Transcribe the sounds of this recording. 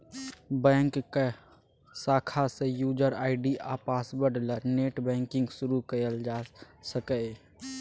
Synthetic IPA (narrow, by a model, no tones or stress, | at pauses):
bɛ̃ːŋkːe | saːkʰasejuːd͡ʒəɾaːɪɖiʔaːpaːsbəɖləɾneːʈbɛ̃ːŋkɪ̃ŋɡsʊɾukəjəld͡ʒaːsəkə